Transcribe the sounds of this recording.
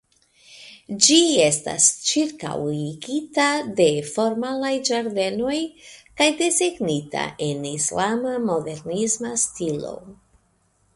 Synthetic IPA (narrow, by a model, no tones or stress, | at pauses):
d͡ʒie̞sta̰st͡ʃiɾka̰wiɡitade̞fo̞ɾmalajd͡ʒaɾde̞no̞jkajdezeɡnita̰ʔe̞nislamamo̞de̞ɾnizmastilo̞̰